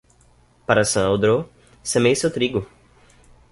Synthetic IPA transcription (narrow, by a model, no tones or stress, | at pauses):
paɾɐsɐ̃awd̪ɾo | sẽmejsewt̪ɾiɡʊ